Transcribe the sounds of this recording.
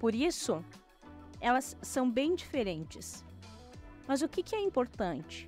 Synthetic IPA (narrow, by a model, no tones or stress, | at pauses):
poɾisʊ | ɛlɐsːɐ̃w̃bẽj̃d͡ʒifeɾẽnt͡ʃɪs | mɐzʊkɪkɪɛĩmpoɾt̪ɐ̃nt͡ʃɪ̥